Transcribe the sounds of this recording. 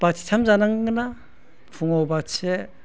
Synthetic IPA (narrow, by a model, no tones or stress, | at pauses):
b̥atʰi̥tʰamzanaŋɡɯna | pʰuŋɔwbatse